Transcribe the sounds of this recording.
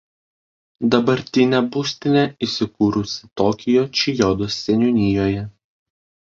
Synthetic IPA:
d̪ɐbɐɾʲt̪ʲɪnʲɛbusʲt̪ʲɪnʲɛisʲɪkuːɾʊsʲɪ̥t̪ɔːkʲɪjot͡ʃʲɪjɔd̪osːʲɛnʲʊnʲɪjoːjɛ

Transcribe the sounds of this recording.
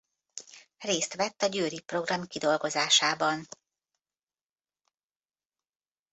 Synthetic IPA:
reːst̪ʋɛt̪ːɒɟøːɾipro̞ɡrɒmkid̪o̞lɡo̞zaːʃaːbɒn

